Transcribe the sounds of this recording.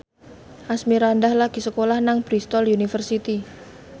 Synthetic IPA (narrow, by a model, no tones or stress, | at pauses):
ʔasmiɾandahlaɡ̥i̤səkolahnaŋb̥ɾist̪ɔljunifərsit̪i